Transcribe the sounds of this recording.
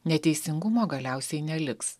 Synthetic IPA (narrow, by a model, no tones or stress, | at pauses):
nʲɛt̪ʲɛɪsʲɪŋɡʊmoːɡɐlʲæˑʊsʲɛɪnʲɛlʲɪks